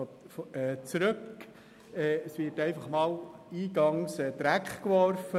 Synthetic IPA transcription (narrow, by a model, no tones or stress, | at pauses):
fɛt͡sɾɵk | ɛːəsvɪtɛɪfɑχmɑːliːɡɑŋsɛːd̪̥ɾækχkʋɔɾfə